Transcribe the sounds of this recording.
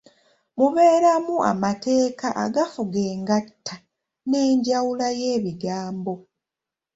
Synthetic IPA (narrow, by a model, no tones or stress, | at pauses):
muβe̞ːɾamua̰mate̞ːkaʔa̰ɡafuɡe̞ːŋɡatʰːa | ne̞ːɲɟawulaje̞ːβiɡaːmbo̞